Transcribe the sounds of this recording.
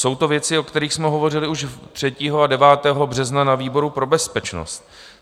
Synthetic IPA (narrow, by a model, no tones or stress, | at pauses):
so̞wt̪o̞vjɛt͡sɪo̞kt̪ɛɾiːxsmɛɦo̞vo̞rɪlɪuʃt̪r̥ɛciːɦo̞adɛvaːt̪ɛːɦo̞br̝ɛznanaviːbo̞ɾupɾo̞bɛspɛt͡ʃno̰st̪